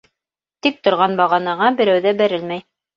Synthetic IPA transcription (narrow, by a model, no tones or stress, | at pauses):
t̪ik̚t̪ŏɾʁɑnbɑʁɑnɑʁɑbɘ̆ɾæwðæbæɾɘlmæj